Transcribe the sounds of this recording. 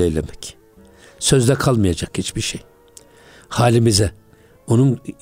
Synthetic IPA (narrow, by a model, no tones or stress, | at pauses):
ejlʲemɛc | sø̞zd̪ɛkʰalˠmajad͡ʒakhit͡ʃbiɾʃej | haːlʲimizɛ | onun